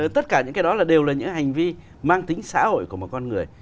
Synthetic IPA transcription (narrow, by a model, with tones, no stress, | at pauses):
t̪ə˦˥t̚kaː˧˩ɲɨ̰˧˥ŋkːjɗɔ˨˦laː˨˩ɗe˨˩wlaː˨˩ɲɨ̰˧˥ɦa˨˩jŋ̟vi˧ | maː˧ŋt̪ï˨˦ŋ̟sa̰ː˧˥ho̰˧˨jku˧˩əmo˨˩kɔ˧nŋɨ˨˩əj